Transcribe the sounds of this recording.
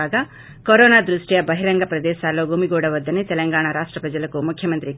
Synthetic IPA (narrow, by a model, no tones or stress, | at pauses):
aːɡɐ | koɾoːnaːd̪ɾuʂʈijɐbɐɦiɾɐŋɡɐpɾɐd̪ɛːʃaːloɡuːmiɡoːɽɐʋɐd̪ːɐnet̪ɛlɐŋɡaːɳɐɾaːʂʈɾɐpɾɐd͡ʒɐlɐkumukʰjɐmɐnt̪ɾi